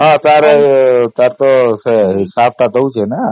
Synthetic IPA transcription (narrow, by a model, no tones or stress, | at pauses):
ɦãt̪aɾet̪jaɾt̪oseɦisap̚ʈ̪at̪ʰəũt͡ʃʰene